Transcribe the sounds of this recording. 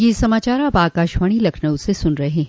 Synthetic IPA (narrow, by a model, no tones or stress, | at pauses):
jesɐmaːt͡ʃaːɾaːbaːkaːʃʋaːɽ̃ilɐkʰnəwsesʊnɾɐɦeː